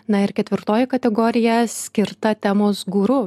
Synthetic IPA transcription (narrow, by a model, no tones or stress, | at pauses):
nɐɪɾkʲɛt̪ʲʋʲɪɾt̪oːjɪkɐt̪ʲɛɡɔːɾʲɪjɛsʲkʲɪɾt̪ɐt̪ʲæmoːsɡuːɾʊ